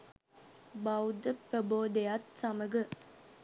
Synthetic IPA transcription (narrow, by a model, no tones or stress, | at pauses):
bɐwd̪əpɾəboːd̪ejat̪sɐməɡə